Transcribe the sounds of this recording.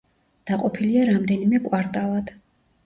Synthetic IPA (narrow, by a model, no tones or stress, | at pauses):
d̪̥aqʼɔpʰiliaɾamd̪ɛnimɛkʼwaɾt̪ʼalˠad̪̥